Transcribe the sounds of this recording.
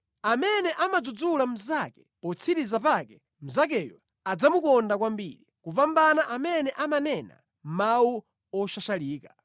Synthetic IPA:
amɛnɛʔamad͡zud͡zulam̩zakɛ̥pɔt͡sʰiɾizapakɛ | m̩zak̬ɛjɔ | ad͡zamukɔndakwambḭɾikuvambanaʔamɛnɛʔamanɛna̰ | mmau | ɔʃaʃaliːka

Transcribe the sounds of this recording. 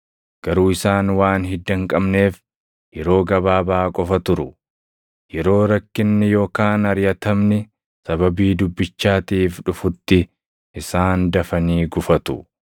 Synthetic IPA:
ɡ̥ɐɾuːɪsaːnwaːnɦɪd̪ːɐŋkʼɐbne̞ːf | jɛɾo̞ːɡɐbaːbaːkʼɔfɐt̪ʊɾʊ | jɛɾo̞ːɾɐkːɪnːɪjo̞ːkaːnɐɾjɐt̪ɐmnɪ | sɐbɐbiːd̪ʊbːɪt͡ʃːaːt̪iːfᶑʊfʊt̪ːɪ | ʔɪsaːnd̪ɐfɐniːɡʊfɐt̪ʊ

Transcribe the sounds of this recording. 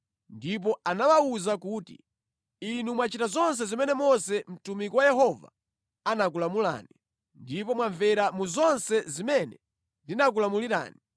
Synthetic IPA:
ndip̬ɔanawauzakuːtḭ | inumwat͡ʃitazɔns̬ɛzimɛnɛmɔsɛm̩tumikɔwajɛɦɔva̰ | anak̬ulamula̰ːni | ndipɔmwaɱvɛɾamuzɔnsɛzimɛnɛ | ndinak̬ulamuliɾa̰ːni

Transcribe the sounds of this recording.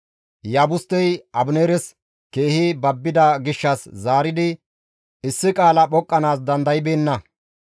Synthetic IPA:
jaːbʊst̪ːɛjɐbʊneːɾɛs | ke̞ːhibɐbːɪd̪ɐɡɪʃːɐszaːɾɪd̪ɪ | ɪsːɪkʼaːlɐɓɔkʼːɐnaːs̬d̪ɐnd̪ɐjɪbeːnːɐ

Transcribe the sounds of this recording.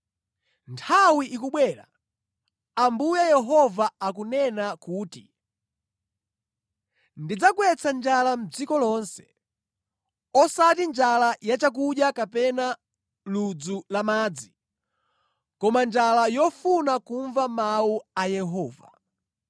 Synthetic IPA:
ntʰawiʔikuɓwɛːɾa̰ | ambujajɛɦɔvaakunɛnakuːti | ndid͡zakwɛt͡sʰand͡ʒalam̩d͡zikɔlɔnsɛ̥ | ɔsatind͡ʒalajat͡ʃak̬uɗjakapɛna | lud͡zulamaːd͡zi | kɔmand͡ʒalajɔfunakuɱvamauajɛɦɔːva̰

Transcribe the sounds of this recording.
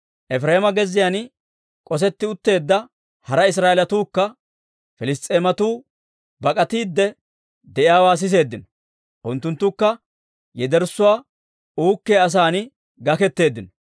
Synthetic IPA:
ʔɛfɾeːmɐɡɛzːɪjan | kʼɔs̬ɛt̪ːɪʊt̪ːe̞ːd̪ːɐ | hɐɾɐɪs̬ɾaːʔɛlɐt̪uːkːɐ | fɪlɪst̪ʼːeːmɐt̪uː | bɐkʼɐt̪iːd̪ːɛ | d̪ɛʔɪjaːwaːs̬ɪs̬e̞ːd̪ːɪnɔ | ʔʊnt̪ːʊnt̪ːʊkːɐ | jɛd̪ɛɾsːʊwaː | uːkːeːɐs̬aːn | ɡɐkɛt̪ːe̞ːd̪ːɪnɔ

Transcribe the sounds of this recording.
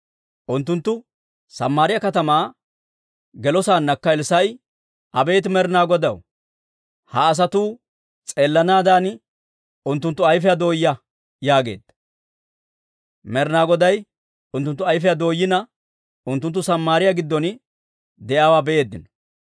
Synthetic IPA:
ʔʊnt̪ːʊnt̪ːʊ | sɐmːaːɾɪjɐkɐt̪ɐmaː | ɡɛlɔsaːnːɐkːɐɪlsɐj | ʔɐbe̞ːt̪̬mɛɾnaːɡɔd̪ɐw | hɐːs̬ɐt̪uː | t͡sʼeːlːɐnaːd̪aːn | ʊnt̪ːʊnt̪ːʊɐjfɪjad̪o̞ːjːɐ | jaːɡe̞̰ːd̪̥ɐ | mɛɾnaːɡɔd̪ɐj | ʊnt̪ːʊnt̪ːʊɐjfɛjad̪o̞ːjːɪnɐ | ʊnt̪ːʊnt̪ːʊsɐmːaːɾɪjaɡɪd̪ːɔn | d̪ɛjaːwaːbɛe̞ːd̪ːɪnɔ̥

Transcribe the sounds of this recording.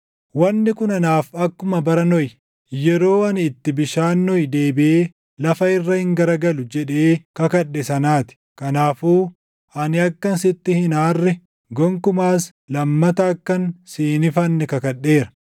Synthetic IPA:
wɐnːɪkʊnɐnaːfɐkːʊmɐbɐɾɐnɔj | jɛɾoːɐnɪt̪ːɪbɪʃaːnːɔjd̪e̞ːbɪʔeː | lɐfɐɪrːɐhɪŋɡɐɾɐɡɐlʊd͡ʒɛᶑe̞ːkɐkɐɗːɛsɐnaːt̪ɪ̥kɐnaːfuː | ɐnɪɐkːɐnsɪt̪ːɪhɪnaːrːɛ | ɡɔŋkʊmaːs | lɐmːɐt̪ɐːkːɐnsiːnɪfɐnːɛkɐkɐᶑːe̞ːɾɐ̥

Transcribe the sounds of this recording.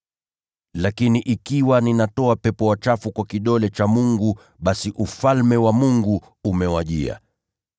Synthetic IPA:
lakiniʔikiwaninatɔapɛpɔwat͡ʃafukwakiɗɔlɛt͡ʃamuŋɡu | ɓasiʔufalmɛwamuŋɡu | umɛwaʄḭa̰

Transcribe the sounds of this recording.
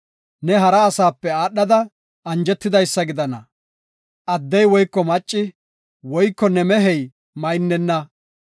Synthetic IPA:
nɛɦɐɾɐːsaːpːɛaːɗːɐd̪ɐ | ɐnd͡ʒɛt̪ːɪd̪ɐjsːɐɡɪd̪ɐnɐ̰ | ʔɐd̪ːɛjwɔjkːɔmɐt͡ʃʼːɪ | wɔjkːɔnɛmɛɦɛj | mɐjnːɛnːɐ

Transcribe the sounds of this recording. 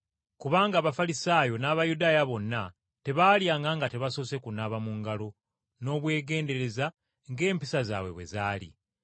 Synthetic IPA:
kuβaːŋɡaːβafalisaːjo̞naːβajudaːjaβo̞nːa | te̞βaːljaːŋɡaŋɡate̞βasose̞kunaβamuŋɡalo̞ | no̞ːβwe̞ːɡe̞ːnde̞ɾe̞za | ŋɡe̞ːmpisaza̰ːβwe̞̰βwe̞̰zaːlḭ

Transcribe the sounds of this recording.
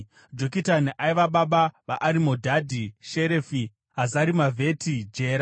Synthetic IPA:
d͡ʒokitaniʔaiʋaɓaɓaʋaʔːɾimo̞dʱadʱiʃeɾefi | ɦazaɾimavʱe̞tʰid͡ʒe̞ːɾa

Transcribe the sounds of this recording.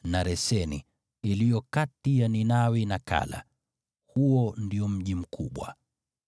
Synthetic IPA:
naɾɛsɛnḭ | ilijɔkatijaninawinaka̰la̰ | huɔndiɔm̩ʄim̩kʰuɓwa̰

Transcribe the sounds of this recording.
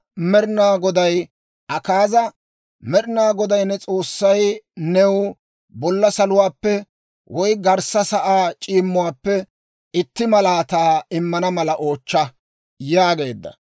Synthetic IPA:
mɛɾnaːɡɔd̪ɐj | ʔɐkaːzɐ | mɛɾnaːɡɔd̪ɐjnːɛt͡sʼo̞ːsːɐjnɛw | bɔlːɐsɐlʊwaːpːɛ | wʔɔjɡɐɾsɐsɐʔaːt͡ʃʼiːmːʊwaːpːɛ | ɪt̪ːɪmɐlaːt̪aːɪmːɐnɐmɐlɐʔo̞ːt͡ʃːɐ | jaːɡe̞ːd̪ːɐ̰

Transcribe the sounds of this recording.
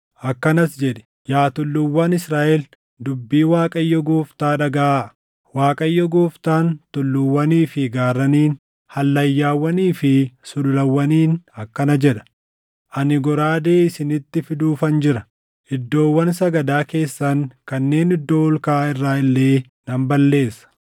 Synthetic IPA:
ʔɐkːɐnɐsd͡ʒɛᶑɛ̥ | jaːt̪ʊlːʊwːaːnɪsɾaːʔɛl | d̪ʊbːiːwaːkʼɐjːɔɡoːft̪aːᶑɐɡɐʔa | waːkʼɐjːɔɡoːft̪aːnt̪ʊlːʊwːɐniːfɪɡaːrːɐniːn | hɐlːɐjːaːwːɐniːfɪsʊlʊlɐwːɐniːnɐkːɐnɐd͡ʒɛᶑɐ̥ | ʔɐnɪɡɔɾaːd̪e̞ːɪsɪnɪt̪ːɪfɪd̪uːfɐnd͡ʒɪɾɐ | ʔɪd̪ːo̞ːwːɐnsɐɡɐd̪aːke̞ːsːɐŋkɐnːe̞ːnɪd̪ːo̞ːʊlkaːɪrːaːɪlːe̞ː | nɐmbɐlːe̞ːsːɐ̥

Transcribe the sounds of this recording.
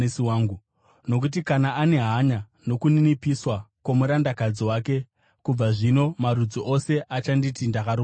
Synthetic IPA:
siwaːŋɡu | no̞k̬ut̬ikanaʔane̞ɦaɲa | no̞kuninipiswakwomuɾandakad͡ziwaːke̞ | kub͡vaʐino̞maɾud͡zoʔose̞ʔat͡ʃanditindakaɾu

